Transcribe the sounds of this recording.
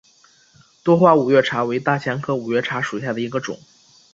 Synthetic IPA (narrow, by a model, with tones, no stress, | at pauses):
t̪wɔ˥xwa˥˩u˨˩ɥɛ˥˩ʈ͡ʂʰa˧˥we˧˥ɪt̪a˥˩t͡ɕʰja˧˥nkʰɤ˥u˨˩ɥɛ˥˩ʈ͡ʂʰa˧˥ʂu˨˩ɕja˥˩d̪ə˩i˧˥ɡə˧ʈ͡ʂʊ̰˨˩˦ŋ